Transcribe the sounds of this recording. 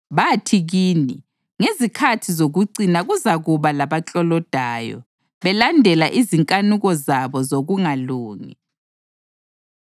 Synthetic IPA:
βatʰiɣiːni | ŋezikʰatʰizoɣuǀinaɣuzaɣuβalaβat͡ɬʼɔlɔd̥ʱaːjɔ̰ | βɛlandʱɛlaʔiziŋkʼanuɣɔzaβɔzoɣuŋaluːŋḭ

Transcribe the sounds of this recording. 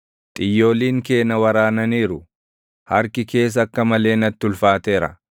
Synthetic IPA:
t̪ʼɪjːo̞ːliːŋke̞ːnɐwɐɾaːnɐniːɾʊ | hɐɾkɪke̞ːs̬ɐkːɐmɐle̞ːnɐt̪ːɪʊlfaːt̪eːɾɐ̰

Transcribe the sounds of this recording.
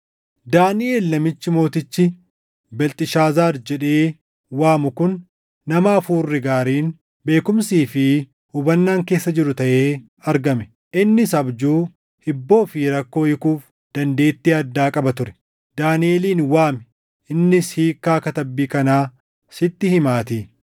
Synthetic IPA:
d̪aːnɪʔeːlnɐmɪt͡ʃːɪmo̞ːt̪ɪt͡ʃːɪ | bɛlt̪ʼɪʃaːzaːɾd͡ʒɛᶑe̞ː | waːmʊkʊnː | ɐmaːfuːrːɪɡaːɾiːn | be̞ːkʊmsiːfɪ | hʊbɐnːaːŋke̞ːsːɐd͡ʒɪɾʊt̪ɐʔeː | ɐɾɡɐmɛ | ʔɪnːɪsɐbd͡ʒuː | hɪbːo̞ːfiɾɐkːo̞ːjɪkuːf | d̪̥ɐnd̪e̞ːt̪ːiːɐd̪ːaːkʼɐbɐt̪ʊɾɛ̥ | d̪̥aːnɪe̞ːliːnwaːmɛ̥ | ʔɪnːɪshiːkːaːkɐt̪ɐbːiːkɐnaː | sɪt̪ːɪhɪmaːt̪iː

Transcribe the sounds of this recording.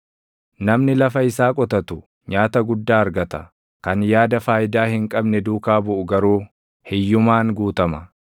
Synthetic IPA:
nɐmnɪlɐfɐɪsaːkʼɔt̪ɐt̪ʊ | ɲaːt̪ɐɡʊd̪ːaːɐɾɡɐt̪ɐ | kɐnjaːd̪ɐfaːjɪd̪aːhɪŋkʼɐbnɛd̪uːkaːbʊʔʊɡɐɾuː | hɛjːʊmaːŋɡuːt̪ɐmɐ

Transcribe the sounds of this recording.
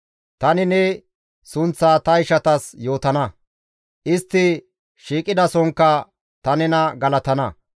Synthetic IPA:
t̪ɐnɪnɛ | sʊnt͡sːaːt̪ɐɪʃɐt̪ɐsjo̞ːt̪ɐnɐ | ʔɪst̪ːɪ | ʃiːkʼɪd̪ɐsɔŋkːɐ | t̪ɐnɛnɐɡɐlɐt̪ɐnɐ

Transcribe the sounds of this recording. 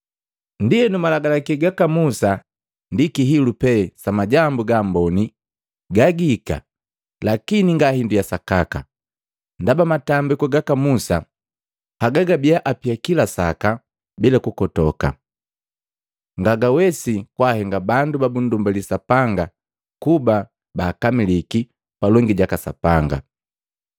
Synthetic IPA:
ndijɛnumalaɡalakɛɡakamusa | ndikiɦilupɛsamaɟambuɡambɔni | ɡaɡika̰ | lakiniŋɡahindijasakaka̰ | ndabamatambikɔɡakamusa̰ | paɡaɡabijaʔapiakilasaka | bilakukɔtɔka̰ | ŋɡaɡawɛsikwahɛŋɡabandubabun̩dumbalisapaŋɡa | kuba | baːkamiliki | palɔŋɡiɟakasa̰paŋɡa̰

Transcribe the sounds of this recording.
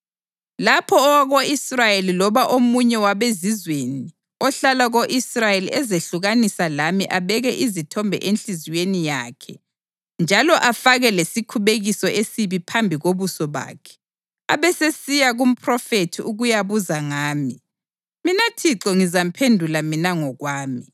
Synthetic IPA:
lapʰɔːwaɣoisrajelilɔβaʔomuɲɛwaβezizweni | ɔɬalaɣoʔisrajeliɛzeɬuɣanisalamiʔaβɛɣɛʔizitʰɔmbʱɛ̰ʔenɬiziwenijaːkʰɛ̰ | nd͡ʒʱalɔʔafaɣɛlesikʰuβeɣisɔʔesiβipʰambʱiɣoβusɔβa̰ːkʰɛ̥ | aβɛsesijaɣum̩pʰrɔfetʰiuɣujaβuzaŋaːmi | minatʰiǁɔŋizam̩pʰendʱulaminaŋɔɣwaːmi

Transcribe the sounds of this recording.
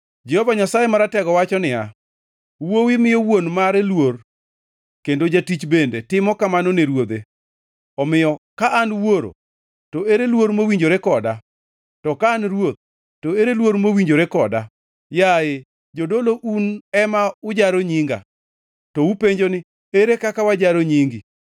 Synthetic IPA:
d͡ʒɛhɔvaɲasajemaɾatɛɡɔwat͡ʃɔnɪa | wowɪmɪjowonmaɾelwor | kendod͡ʒatit͡ʃbendetɪmɔkamanoneɾwod̪e | ɔmɪjɔkaʔːnwoɾo̰ | toeɾelwoɾmowiɲd͡ʒoɾekɔda | tɔkaːnɾwot̪̚ | toeɾelwoɾmowiɲd͡ʒoɾekɔda | jae | d͡ʒodoloʔunɛmaʊd͡ʒaɾoɲiŋɡa̰ | tɔupeɲd͡ʒonɪ | eɾekakawad͡ʒaɾoɲiŋɡɪ

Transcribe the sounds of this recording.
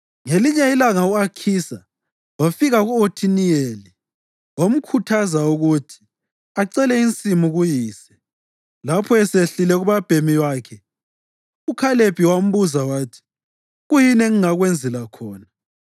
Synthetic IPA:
ŋeliɲɛilaŋauakʰiːsa | wafiɣaɣuotʰinijeli | wom̩kʰutʰazauɣutʰi̥ | aǀɛlɛint͡sʼimuɣujiːsɛ̥ | lapʰɔɛseɬilɛɣuβab̥ʱemiwaːkʰɛ | ukʰaleb̥ʱiwam̩βuzawaːtʰi̥ | ɣujinɛŋuŋaɣwend͡zʱɛlakʰɔːna

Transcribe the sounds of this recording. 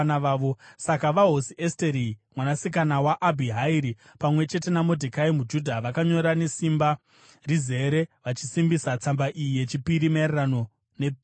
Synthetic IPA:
naʋaːʋo̞sakaʋaɦosiʔesteɾimwanasikanawaʔabʱiɦaiɾi | pamwe̞t͡ʃe̞te̞namo̞dʱekaimud͡ʒudʱaʋakaɲo̞ɾane̞simba | rize̞ɾe̞ʋat͡ʃisimbisat͡sambaʔijije̞t͡ʃipiɾimererano̞ | nep

